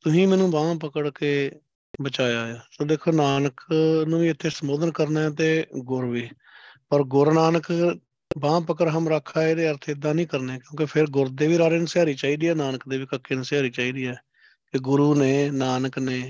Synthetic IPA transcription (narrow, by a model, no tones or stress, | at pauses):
t̪ʊsĩːmɛ̃ːnũːbãːpəkəɽkeː | bət͡ʃaːjaːjaːsoːd̪eːkʰːoːnaːnəknũːʋiːɪt̪ʰːeːsəmboːd̪ənkəɾnaːɛːt̪eːɡʊɾʋiː | pəɾɡʊɾnaːnək | bãːpəkəɾɦəmɾəkʰːaːeːd̪eːəɾt̪ʰeːɪd̪ːãːnĩːkəɾneːkjõːk̬epʰɪɾɡʊɾd̪eːʋiːɾaːɾeːnəsɪjaːɾiːt͡ʃaːiːd̪iːɛːnaːnəkd̪eːʋiːkəkːeːnəsɪaːɾiːt͡ʃaːiːd̪iːɛː | kɪɡʊɾuːneːnaːnəkneː